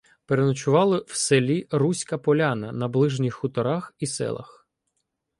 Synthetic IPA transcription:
peɾenʊt͡ʃʊʋɑlˠɪw̥selʲirusʲkɐpɔlʲanɐnɐblˠɪʒnʲixːʊt̪ɔɾɑxisɛ̰lˠɐ̰x

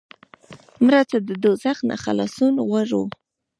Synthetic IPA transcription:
mɾat͡sad̪əd̪ozaxna̰χa̰lɑsunɣaʐṵ

